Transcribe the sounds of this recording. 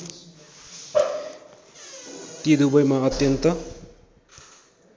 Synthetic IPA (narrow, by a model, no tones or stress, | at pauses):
t̪id̪ubʌjmaʌt̪jʌnt̪ʌ